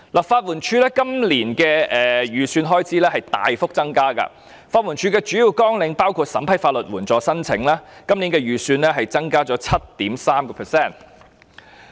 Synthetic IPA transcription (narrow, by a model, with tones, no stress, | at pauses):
lɐ˨˩t̚faː˧t̚wuː˨˩nt͡ʃʰyː˧lɛː˥kɐ˥mliː˨˩nkɛː˧ɛː˨jyː˨˩syː˧nɦɔː˥jt͡sʰiː˨˥lɛː˥hɐ˨jt̪a̰ː˨jfʊ˥k̚t͡sɐ˥ŋkaː˥kɐ̰˧ | faː˧t̚wu˨˩nt͡ʃʰyː˧˥kɛː˧t͡ʃyː˨˥jiː˨wkɔː˥ŋlɪ˨˧ŋpaː˥wkʰuː˧t̚sɐ˨˥mpʰɐ˨˥jfaː˧t̚lɵ˨t̚wuː˨˩nt͡sɔː˨˧sɐ˥nt͡sʰɪ̰˨˥ŋlaː˥kɐ˥mliː˨˥nkɛː˧ɥyː˨˩syː˧nlɛː˥ɦɐ˨jt͡sɐ˥ŋkaː˥t͡sɔː˨˥t͡sʰɐ˥t̚t̪iː˨˥msaː˥mkɔː˧pʰɛː˨˩sɛː˥˩n